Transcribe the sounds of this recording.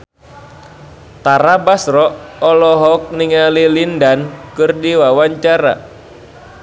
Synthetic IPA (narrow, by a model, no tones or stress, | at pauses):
t̪aɾabasrɔʔɔlɔɦɔk̚niŋalilindankɨrdiwawaɲt͡ʃaɾa̰